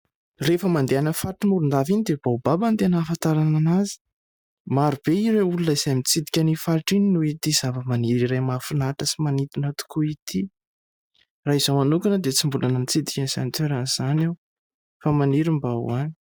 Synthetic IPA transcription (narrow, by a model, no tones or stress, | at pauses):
refəmand̪eanəfaɾiʈ͡ʂimuɾund̪avinid̪eb̥awbabant̪enaːfant̪aɾananazi̥ | maɾub̥eiɾeulunəiz̥ajmit͡sid̪i̥kʲanifaɾʈ͡ʂininuit̪izavəmaniɾiɾajmafunaʈ͡ʂəsimanit̪inət̪u̥kuit̪i | raiz̥omanukanəd̪et͡simbulanənit͡sid̪ikʲaniz̥amit̪eɾanz̥anaw | famaniɾimbaṵani̥